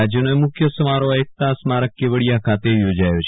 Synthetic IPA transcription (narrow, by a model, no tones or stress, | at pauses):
ad͡ʒjənoemʊkʰjəsəmaɾoek̚t̪asmaɾəkːeʋəɽijakʰat̪ejod͡ʒajot͡ʃʰ